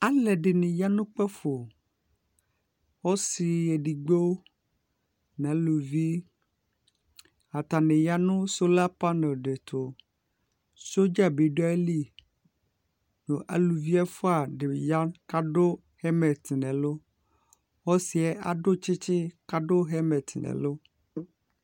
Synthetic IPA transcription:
a˦lɛ˨ɖɪ˨nɪ̃˨ja˦nʊ̃˦k͡pɛ˦fo˨ | wo˦si˨ɛ˨ɖi˨ɡ͡bo˦ | nã˨˦lu˨vi˦ | a˨t̪a˨nɪ˨ja˦nʊ̃˦so˦la˦pa˦ne˨ɖe˨t̪ʰo˨ | so˦d͡ʒa˦be˨ɖo˦ɛ˦li˦ | nõ˨ʔa̰˨lu˨vi˦a˦fo˦a˨ɖe˨ja˦ka˦ɖo˦ | hɛ˦mɛ˨t̪i˨nɛ̃˨lo˦ | xɔ˦si˨ɛ˦ʔa˨ɖo˦t͡ʃɪ˦t͡ʃɪ˦ka˦ɖo˦ɦɛ˦mɛ˨t̪ʰɪ˨nɛ̰˨lo˦

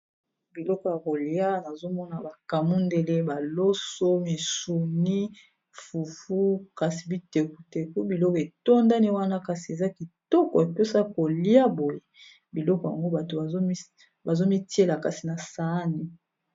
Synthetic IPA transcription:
bi˨lɔ˦kɔ˨ja˨ko˨li˦a˦na˨zo˦mɔ˦na˨ba˨ka˨mu˦nde˨le˦ba˨lo˦so˦mi˨su˨ni˦ | fu˨fu˦ka˨si˨bi˦te˨ku˨te˨ku˦bi˨lɔ˦ke˨to˦nda˦ni˦wa˦na˦ka˨si˨e˨za˦ki˨tɔ˦kɔ̰˨e˨pe˦sa˦ko˨li˦a˦bo˨je˦ | bi˨lɔ˦kɔ˨ja̰˨ŋɡo˦ba˨to˨˦ | ba˨zo˦mi˦ti˦e˦la˨ka˨si˨na˨sa˨˦ni˦

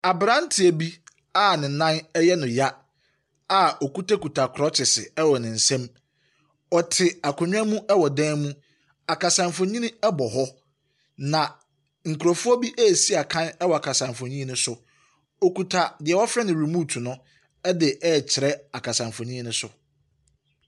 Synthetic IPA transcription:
a˨bɾã˦n̩˦tʰɪ˨æ˨bi˦ | a˦˨nɪ̃˨nã˦nɛ˦jɛ˦nʊ̃˨ja˦ | a˨ɔ˨ku˦tʰa˦ku˨tʰa˨kʰɾɔ˦t͡ɕʰɪ˨sɪ˨ɛ˦wɔ˨nɪ̃˨n̩˨sɛ̃˦m | ɔ˨tʰɪ˨a˨kʰʊ˨ɲᶣ˦ã˦mũ˦ʔɛ˦wɔ˨dɛ̃ː˦nmũ˦ | a˨ka˨sã˨mfõ˨ɲĩ˦ñ˦ɛ˦bɔ˨ɦɔ˦ | nã˨ | ŋ̩˨kʰɾɔ˨fʊ˦ɔ˦bi˦ʔɛ˦˨si˦a˨kʰã˦nɛ˦wɔ˨a˨kʰa˨sã˨ɱfõ˨ɲĩ˦nʊ̃˦sʊ˨ | ɔ˨ku˨tʰa˨dɪ˨ɛ˨wɔ˦fɾɛ˦nɪ̃˨ɾi˨muː˦tʰu˨nʊ̃˦ | ɛ˦dɪ˨ʔɛ˦˨t͡ɕʰɪ˨ɾɛ˦a˨kʰa˨sã˨ɱfõ˨nĩ˦nʊ̃˦sʊ˨

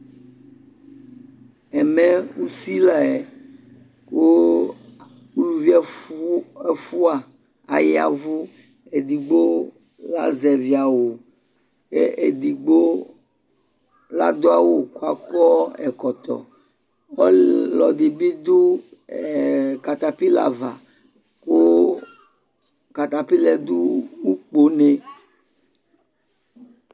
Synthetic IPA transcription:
ɛ˨mɛ̃˦wu˦si˦la˨e˨ | ko˦ | u˦lu˨vi˦ | e˦fu˦a˨ | a̰˨jɛ˦a̰˨vo˦ | e˨d̪i˨ɡ͡bo˦ | la̰˦zɛ˨vi˦a˨wo˨ | e˦ʔe˨d̪i˨ɡ͡bo˦ | la̰˦d̪o˦a˦wo˦ko˦a˦˨kɔ˦ɛ̰˨kɔ˨t̪ɔ̰˨ | ɔ˦lɔ˨d̪i˨bi˦d̪u˦˨ | ka˨t̪a˨pi˦la̰˨va˨ | ko˦ | ka˨t̪a˨pi˦lɛ˦d̪u˦wu˦k͡po˦ne˦

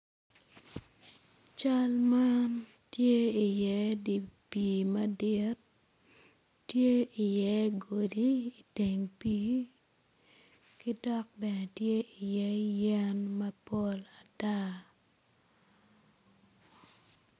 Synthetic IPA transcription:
t͡ʃa˦lma˦n | tje˦i˨jɛ˨˦di˨piː˨mɐ˦dɪ˦t | tje˦i˨jɛ˨˦ɡo˨di˨˦i˨te˨ŋpiː˦ | ki˦dɔ˦k̚bɛ˨nɛ˨tje˦i˨jɛ˦jɛ˦nmɐ˦po˦la˨ta˦

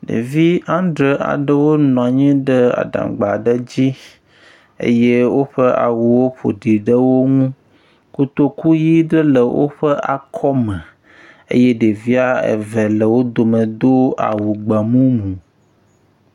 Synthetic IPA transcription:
nḛ˨vi˦ã˦nɖɾə˨ʔa̰˨ɖə˦wo˦nɔ̃˨a˨ɲɛ̃˦ɖə˦a̰˨ɖã̰˨ɡ͡ba˨ɖə˦d͡ʑi˦ | ḛ˦je˦wo˦ɸə˦ʔa̰˨wu˨wo˦ɸo̰˨ɖi˨ɖə˦wo˦ŋũ˦ | ku˦t̪o˦ku˦ji˦ɖə˦lə˨wʔo̰˦ɸə˦ʔa˨kʰɔ˦mɛ̃˨ | ḛ˦je˦ɖe˨vi˦a˦ḛ˨vɛ˨lə˨wo˦d̪o˨mə̃˨d̪o˦a̰˨wu˨ɡ͡ba˨mũ˦mũ˨

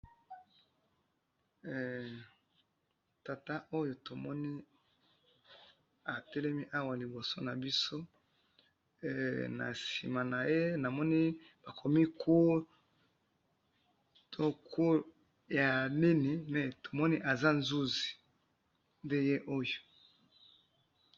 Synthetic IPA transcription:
ta˨ta˦ʔo˦jo˨to˨mɔ˦ni˦ | a˨tɛ˦lɛ˦mi˦ʔa˦wa˨li˨bo˨so˦na˨bi˦so˦˨ | na̰˨sḭ˨ma˨na˨je˦na˨mɔ˦ni˦b̥a˨kʰo˨mi˦kʰu˦ | tʰo˦ko˦ | ja˨ni˦ni˨mɛ˨to˨mɔ˦ni˦ʔa˨za˦nzu˦zi̥˨ | nde˦je˦ʔo˦jo˨

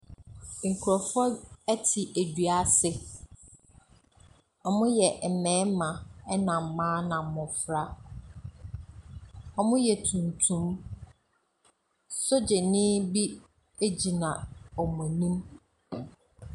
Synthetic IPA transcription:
ŋ̩˨kʰu˨ɾɔ˨fʊ˦ɔ˦æ˦tʰi˨ʔæ˨dɥa˦sɪ˦ | ɔ˨mʊ̃˦jɛ˨m̩˨mɛ̃ː˨˦mã˨ɛ˦nã˨m˨˦mã˦nã˨m̩˨mʊ̃˨fɾa˦ | ɔ˨mʊ̃˦jɛ˨tʰũ˨ntʰũ˨˦m | so˦d͡ʑe˨nɪ̃˦bi˦ | e˦d͡ʑi˨nã˨ɔ˨mʊ̃˨nĩ˦m

